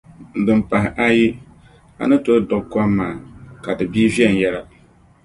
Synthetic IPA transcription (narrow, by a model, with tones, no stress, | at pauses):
n̩˨dɨ˨mpa˨hɪ˨ʔa˦ji˦ | a̰˨nɨ˦to˦dʊ˨kka˦mːaː˨ka˨dɨ˨biː˦vi˦ɛ˨n˨jɛ˦la˨